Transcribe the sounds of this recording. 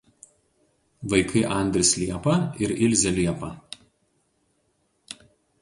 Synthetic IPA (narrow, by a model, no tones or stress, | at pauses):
ʋɐɪkʰɐɪʔɐnʲd̪ʲɾʲɪslʲiɛpɐɪɾɪlʲzʲɛlʲiɛpɐ